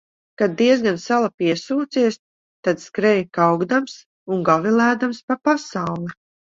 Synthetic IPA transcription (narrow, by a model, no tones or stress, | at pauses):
kad̪̚ːiɛzɡansalˠapiɛsuːt̪siɛs | t̪ad̪skɾɛjkawɡd̪ams | uŋɡavilˠæːd̪amspapasawlˠi